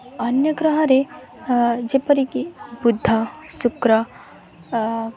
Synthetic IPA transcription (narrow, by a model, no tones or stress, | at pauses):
ɐnjɐɡɾɐɦɐɾe | d͡ʒepəɾikibud̪ʱːasukɾɐ